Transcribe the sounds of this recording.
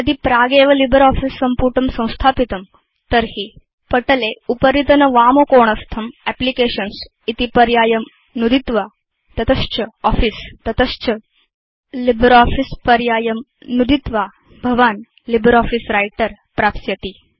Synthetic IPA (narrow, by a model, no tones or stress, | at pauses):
ɐd̪ipɾaːɡeːʋɐlibʱɾɔːfisːɐmpuːɾʈɐmsɐ̃w̃st̪ʰaːpit̪ɐm | t̪ɐɾɦi | pɐʈɐleupɐɾit̪ɐnɐʋaːmokoːɳ̃ɐst̪ʰɐmɛplikeːʃɐns | it̪ipɐɾjaːjɐm | nud̪ʱit̪ʋa | t̪ɐt̪ɐʃt͡ʃɐɔːfist̪ɐt̪ɐʃt͡ʃɐ | libʱɾɔːfispɐɾjaːjɐm | nud̪it̪ʋa | bʱɐʋaːn | libʱɾɔːfisɾajʈəɾ | pɾaːpsjɐt̪i